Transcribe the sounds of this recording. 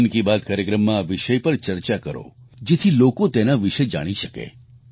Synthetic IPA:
nkibad̪̚kaːɾjəkɾəmːãːʋɪʃəjpəɾt͡ʃəɾt͡ʃakəɾo̰ | d͡ʒet̪ʰilokot̪enaʋiʃed͡ʒa̰ɽ̃iʃəkḛ

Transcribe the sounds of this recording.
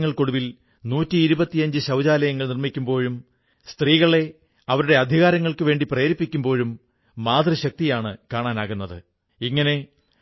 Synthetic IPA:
ŋːɐɭko̞ɽuʋil | nuːtːiːɾubɐt̪ːijɐɲd͡ʑɨɕɐwd͡ʑaːlɐjɐŋːɐɭnirmikʲːumbo̞ːɻum | st̪riːɣɐɭe̞ | ɐʋɐɾuɽe̞ɐd̪ʱiɣaːɾɐŋːɐɭkɨʋe̞ːɳɖiprejːɾipːikʲːumbo̞ːɻumː | aːd̪rɐɕɐk̚t̪ijaːɳɨkaːɳaːnaːɣunːɐðɨ̰ | iŋːɐne̞

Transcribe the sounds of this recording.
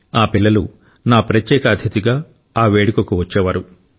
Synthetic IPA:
aːpilːɐlṵ | naːpɾɐt̪jɛːkɐːd̪ʱjɐt̪iɡaː | aːʋeːɽukɐkuʋɐt͡ʃːɛːʋaːɾu

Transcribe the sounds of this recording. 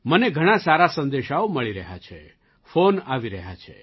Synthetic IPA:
məneɡʱəɽ̃ãsaɾasənd̪eʃaoməɭiɾəɦa̰t͡ʃʰḛ | fonaʋiɾəɦja̰t͡ʃʰḛ

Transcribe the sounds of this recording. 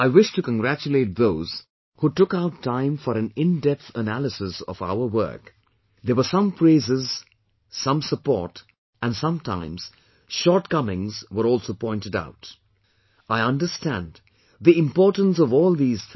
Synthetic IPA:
aɪwɪʃtɨkə̃nɡɹæt͡ʃɨleɪt̪̚ðoʊz̥ | hutʊkaʊtʰːãɪ̃ɱfəɾɨ̃nɪ̃ndɛp̚θənælˠəsɪsʌ̰va̰ʊə˞wɜ̰˞k | ðəwə˞sʌ̃mpɹeɪzɪz | sʌ̃msəpɔ̰ɹt | ɨ̃nsʌ̃mtʰã̰ɪ̃mz̥ | ʃɔɹt̚kʌmɪ̃ŋzwə˞ɔlˠsoʊpʰɔ̃ɪ̃ntɨda̰ʊt | aɪʌ̃ndə˞stæ̰̃nd | ðiɪ̃mpɔɹtə̃n̩s̬ʌvɔːlˠðiːz̥

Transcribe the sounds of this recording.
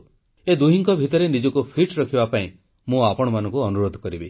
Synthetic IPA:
ed̪uɦiŋkɔbʱit̪ɔɾenid͡ʒɔkupʰiʈɾɔkʰibapaĩ | mũapɔɽ̃ɔmanɔ̃ŋkuɔnuɾod̪ʱɔkɔɾibi

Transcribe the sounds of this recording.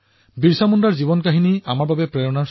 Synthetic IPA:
biɹsamundaɹzibɔnkaɦiniamaɹbabɛpɹɛjɔnaɹ

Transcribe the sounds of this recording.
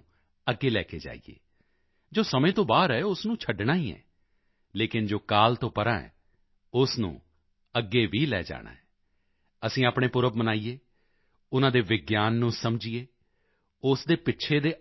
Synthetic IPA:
əɡːeːlɛ̰ːkḛːd͡ʒa̰ːḭjḛː | d͡ʒoːsəmẽːt̪õːbaːɾɦɛːʊsnũːt͡ʃʰəɖɳaːiːɛ̰ː | leːkɪnd͡ʒoːkaːlt̪õːpəɾãːɛ̰ː | ʊsnṵ̃ː | əɡːeːʋiːlɛ̰ːd͡ʒa̰ːɽa̰ːɛː | əsĩːaːpɳeːpʊɾəbmənaːijeː | ʊnãːd̪eːʋɪɡjaːnːũːsəmd͡ʒiːeː | ʊsd̪eːpɪtːʃʰeːd̪eː

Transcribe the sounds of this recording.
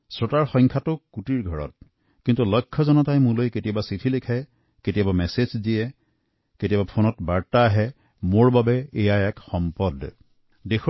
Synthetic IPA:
sɹotaɹxɔjŋkʰatʊkutiɹɡʱɔɹɔ̰t̚ | kintulɔjkʰːɔzɔnɔtajmulojketijabasitʰilekʰaj | ketijabamɛsezdiɛ | ketijabapʰonɔtbaɹtaːɦɛ | moɹbabɛejaɛkxɔmpɔd | dex

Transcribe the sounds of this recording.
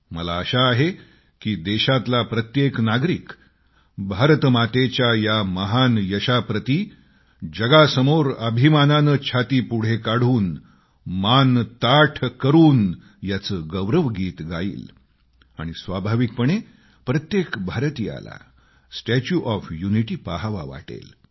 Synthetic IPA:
məlaːɕaːɦe | kiːd̪eɕat̪lapɾət̪jeknaɡɾiːk | bʱaɾt̪mat̪et͡ɕjajaməɦanjəɕapɾət̪i | d͡ʑəɡasəmoɾəbʱimananət͡ɕʰat̪iːpuɽ̤ekaɽ̤uːn | mant̪aʈʰkəɾuːn | jat͡səːɡəʋɾəʋɡiːt̪ɡʱa̰ḭːl | a̰ɽ̃isʋabʱaʋik̚pəɳ̃e | pɾət̪jekbʱaɾt̪iːa̰la̰ | sʈæt͡ɕuʔɔfjuniʈiːpaɦʋa̰ʋa̰ʈḛl

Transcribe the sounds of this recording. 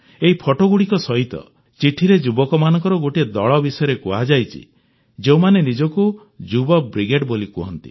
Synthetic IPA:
eɦipʰɔʈoɡuɽikɔsɔɦit̪ɔ̰ | t͡ʃiʈʰiɾed͡ʒubɔkɔmanɔ̃ŋkɔɾɔɡoʈid̪ɔɭɔbisɔjɔɾekuad͡ʒajt͡ʃʰḭ | d͡ʒewmanenid͡ʒɔku | d͡ʒubɔbɾiɡeɖbolikuɦɔ̰nt̪i̥̰

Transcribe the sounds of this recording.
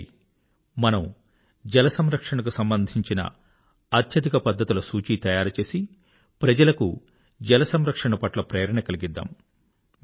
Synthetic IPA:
mɐnɐm | d͡ʒɛlɐsɐmɾɐkʂɐɳɐkusɐmbɐnd̪ʱiɲt͡ʃinɐ̰ | ɐt̪ʰjɐd̪ikɐpɐd̪ːɐt̪ulɐsuːt͡ʃiːt̪ɐjaːɾut͡ʃe̞ːsi | pɾɐd͡ʒɐlɐkṵ | d͡ʒɛlɐsɐmɾɐkʂɐɳɐpɐʈlɐpɾeːɾɐɳɐkɐliɡid̪ːa̰ːm

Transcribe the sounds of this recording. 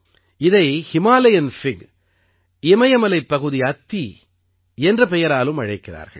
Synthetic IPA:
ɪðɐɪhɪmaːlɐjɐnfɪɡ | ɪmɐjɐmɐlɐɪpːɐɣɯðiɐt̪ːi | ɛndrɐpɛjɐɾaːlɯmɐɻɐɪkːɪra̰ːɾɣɐ̰ɭ

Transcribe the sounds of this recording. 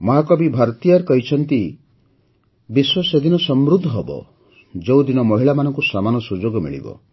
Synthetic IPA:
mɔɦakɔbibʱaɾt̪ijaɾkɔɦit͡ʃʰɔnt̪i | biswɔsed̪inɔsɔmɾud̪ʱːɔɦɔbɔ̰ | d͡ʒewd̪inɔmɔɦiɭamanɔŋkusamanɔsud͡ʒoɡɔmḭɭḭbɔ̰

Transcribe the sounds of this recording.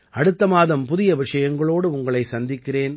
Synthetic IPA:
ɐɽɯt̪ːɐmaːðɐmpʊðɪjɐʋɪʂɐjɐŋɡɐɭoːɽɯʊŋɡɐɭɐɪsɐnd̪ɪkːɪreːn

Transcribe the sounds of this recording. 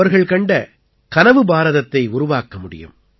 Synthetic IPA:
ɐɾɣɐɭkɐɳɖɐ | kɐnɐʋɯbaːɾɐðɐt̪ːɐɪʊɾʊʋaːkɐmʊɽɪ̰jɯ̰m

